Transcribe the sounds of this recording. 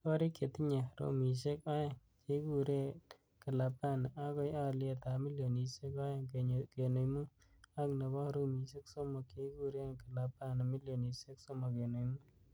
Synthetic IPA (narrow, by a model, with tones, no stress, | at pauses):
kɔ˦ɾi˦ke˨t̪i˦ɲe˨ɾo̰˦mi˨s̬e˦ka˦je˨ŋ | ke˦ku˦ɾe˦ | kə˨la˨pa˦n˨a˦kɔ˦ja˦le˦˨t̪a˨mi˦ljo˨ni˨se˦ka˦jke˨ke˨no˨jmu˦ | a˦kne˨bɔ˦ɾo˦mi˨s̬e˦kso˦mo˨ke˨ɡu˦˨ɾe˦nkə˨la˨pa˦na˨mi˦ljo˨ni˨se˦kso˦mo˨ke˨no˨jmu˦